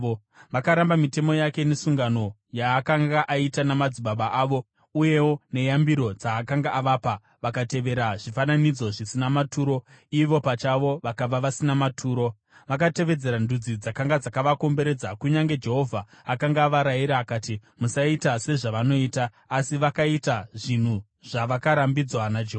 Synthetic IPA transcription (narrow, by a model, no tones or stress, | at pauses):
ʋakaɾambamite̞mo̞jake̞ne̞suŋɡano̞ | jaːkaŋɡaʔaitanamad͡ziɓaɓaʔaʋo̞ | uje̞wo̞ne̞jambiɾo̞d͡zaːkaŋɡaʔaʋapa | ʋakate̞ʋe̞ɾaʐifananid͡zo̞ʐisinamatuːɾo̞ | iʋo̞pat͡ʃaʋo̞ʋakaʋaʋasinamatʰuːɾo̞ | ʋak̬ate̞ʋe̞d͡ze̞ɾandud͡zid͡zakaŋɡad͡zakaʋako̞mbe̞ɾe̞d͡zakuɲaŋɡe̞d͡ʒe̞ɦo̞vʱaːkaŋɡaːʋaɾaiɾaːkaːtimusaitase̞ʐaʋano̞iːtaː | siʋakaitaʐin̤u | ʐ̥aʋakaɾambid͡zwanad͡ʒeɦoa